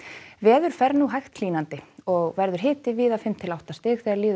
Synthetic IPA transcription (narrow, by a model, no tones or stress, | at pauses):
vɛːðʏɾ̥fɛɾnuɦajxt̪l̥iːnant̪ɪɔɣvɛɾðʏɾɦɪːt̪ɪviːðafɪmt̪ʰɪlawht̪ast̪ɪːxθɛːɣaɾliːð